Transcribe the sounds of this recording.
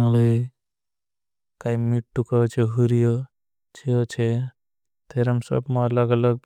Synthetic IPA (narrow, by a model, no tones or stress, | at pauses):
ləi | kaimiʈːukət͡ʃʰeɦuɾijo | t͡ʃʰiət͡ʃʰe | t̪ʰeɾɦəmsə̰bmaləɡələɡ̚